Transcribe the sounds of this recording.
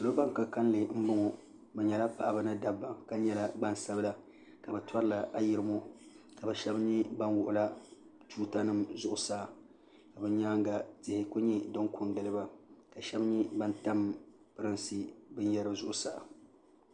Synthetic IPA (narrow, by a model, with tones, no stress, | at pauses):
lo˦ba˦ŋ˨ka˨ka˦n˦lɨ˨m̩˦bʊ˦ŋo˨ | bɛ˨ɲɛ˨la˦pa˨ʔa˨bɨ˦nɨ˦da˦bːa˨ka˦ɲɛ˦la˦ɡ͡ba˦n˨sa˦bla˦ | ka˨bɛ˨twa˦ɾɨ˦la˨ʔa˨jɪ˨ɾɨ˦mo˦ | ka˨bɛ˨ʃɛ˦bɲi˦ba˦nwʊ˨ʔʊ˨la˦ | tuː˦ta˦nɨ˦mzʊ˦ʔʊ˨saː˦˨ | ka˨bɨ˦ɲaː˦ŋɡa˨tɪ˨hɪ˨kʊ˦ɲɛ˦dɨ˦ŋkʰʊ˦n˦dɨ˨lɨ˦ba˦ka˨ʃɛ˦bɲi˦ba˦nta˦m | pɨ˦ɾɨ˦nsi˦bɨ˦n˦jɛ˦ɾɨ˦zʊ˨ʔʊ˦sa˦˨